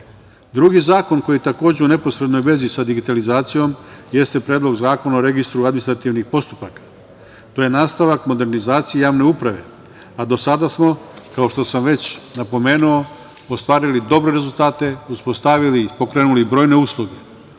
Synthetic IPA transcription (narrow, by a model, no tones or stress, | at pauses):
d̪ɾuɡizaːko̞nko̞jit̪ako̞ːd͡ʑe̞une̞po̞sɾe̞d̪no̞jʋe̞zisad̪iɡit̪alizaːt̪sijo̞mje̞st̪e̞pɾe̞ːd̪lˠo̞ɡzaːko̞naoɾe̞ɡist̪ɾuad̪minist̪ɾat̪iʋnipo̞st̪upakḁ | t̪o̞je̞naːst̪aʋakmo̞d̪e̞ɾnizaːt̪sijejaːʋne̞upɾaʋe̞̰ | ad̪o̞sad̪asmo̞kao̞ʃt̪o̞samʋe̞t͡ɕnapo̞me̞ːnuo | ost̪ʋaːɾilid̪o̞bɾe̞ɾe̞zulˠt̪aːt̪e̞uspo̞st̪aʋilipo̞kɾe̞ːnulibɾo̞ːjne̞uːslˠoɡe